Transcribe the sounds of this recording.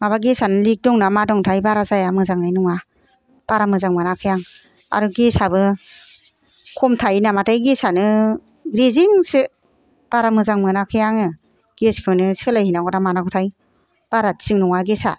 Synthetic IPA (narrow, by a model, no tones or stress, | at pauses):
maβaɡesanɯlik̚dɔŋnamadɔŋtʰajbaɾazajamɯzaŋajnɔŋa | b̥aɾamɯzaŋmɯnakʰɯjaŋ | a̰ɾɔɡesabɯ | kʰɔmtʰajnamatʰajɡesanɯ | ɡɾiziŋsɯ | b̥aɾamɯzaŋmɯnakʰɯjaŋɯ | ɡ̥eskʰɯnɯsɯlajhinaɡɔdamanaɡɔtʰaj | b̥aɾasiŋnɔŋaɡesa̰